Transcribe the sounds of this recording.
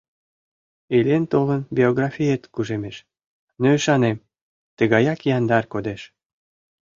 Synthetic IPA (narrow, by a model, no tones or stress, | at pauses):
elʲent̪olənbʲioɣrɑfʲijet̪kuʒemeʃ | nøiʃɑnem | t̪əɣɑjɑkjɑnd̪ɑrkod̪eʃ